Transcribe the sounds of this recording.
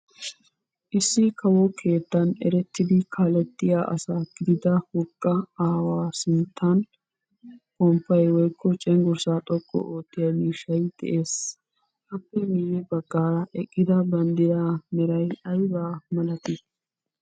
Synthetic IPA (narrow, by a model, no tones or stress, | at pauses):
ʔɪsːɪkʰɐwɔkʰe̞ːt̪ːɐnɛ̰ɾɛt̪ːɪd̪ɪkʰalɛt̪ːɪjaːʔɐ̰saɡ̥ɪd̪ɪd̪ɐhʊkʼːɐaːwaːsɪnt̪ʰːan | kɔmpːɐjwɔjkʰːɔt͡ʃʼɛŋɡʊɾsaːt̪ʼɔkʼːɔ̰ʔoːt̪ːɪjɐmiːʃɐjd̪̥ɛ̰ʔeːs | ʔɐpːɛmɪjːɛbɐɡ̥ːaːɾɐʔɛkʼːɪd̪ɐbɐnd̪ɪɾamɛɾɐjɐjbaːmɐlɐt̪ɪ